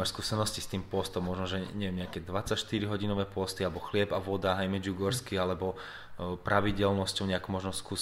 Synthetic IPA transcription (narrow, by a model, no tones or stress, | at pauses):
ɛɾskuːsɛnɔscist̪iːmpʊɔst̪ɔmmɔʒnɔʒɛɲɛʋɛmɲɛakɛd̪ʋat͡sacʃt̪iɾiɦɔɟinɔʋɛːpʊɔst̪ialɛbɔxlɪɛbaʋɔd̪aɦajmɛd͡ʒuɡɔɾskialɛbɔ | pɾʔaʋiɟɛlnɔscɔʊɲɛakumɔʒnɔskuː